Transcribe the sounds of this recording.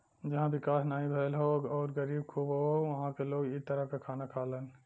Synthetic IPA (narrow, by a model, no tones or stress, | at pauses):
d͡ʒɐɦãbɪkaːsnaːĩbʱeːlɦoːɡɔːɾɡəɾiːbkʰuːbɦoʋɐɦãkeloːɡit̪əɾəɦkekʰaːnakʰaːlən